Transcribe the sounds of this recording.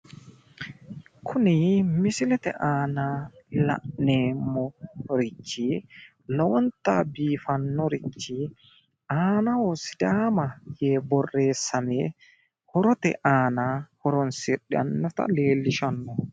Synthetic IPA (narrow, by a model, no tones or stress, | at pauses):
kʰʊnimisɪlɛt̪ɛ̰ʔaːnala̰ʔneːmɔɾit͡ʃːi | lɔwɔnt̪abiːfanːɔɾit͡ʃːi | aːnawɔsid̪aːmajɛbɔrːeːsamɛ | hɔɾɔt̪ɛ̰ʔaːnahɔɾɔnsiɗɛa̰nːɔt̪a̰leːlːiʃanːɔ